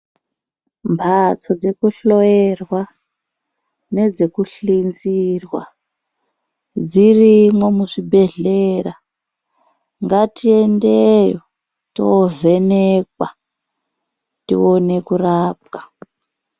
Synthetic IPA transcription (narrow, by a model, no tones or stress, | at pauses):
mpʰat͡sod͡ze̞kuɬojerwa | ne̞d͡zekuɬind͡zirwa̰ | d͡zirimwomuʂibʱe̞ɮera | ŋɡatʰiendejo | to̰ve̞nekwa | tḭone̞kuraːp̚kḁ